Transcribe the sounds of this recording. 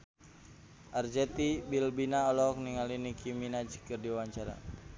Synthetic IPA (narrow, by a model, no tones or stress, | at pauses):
ʔard͡ʒɛt̪ibilbinaɔlɔk̚niŋalinikiminad͡ʒi̥kɨrdiwaɲt͡ʃaɾa̰